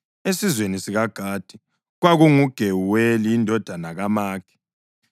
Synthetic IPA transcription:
esizwenisiɣaɡ̥ʱaːd̥ʱi | ɣwaɣuŋuɡ̥ʱewuweliːndʱɔd̥ʱanaɣamaːkɛ̥

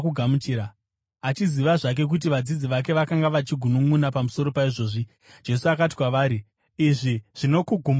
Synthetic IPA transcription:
kuɡʱamut͡ʃiːɾa | at͡ʃiziʋaʐak̬e̞k̬ut̬iʋad͡zid͡ziʋak̬e̞ʋakaŋɡaʋat͡ʃiɡʱunumunapamuso̞ɾo̞paiʐo̞ːʐi | d͡ʒe̞suakat̬i̥kwaʋaːɾiː | ʐiʐ̥ino̞kuɡʱum

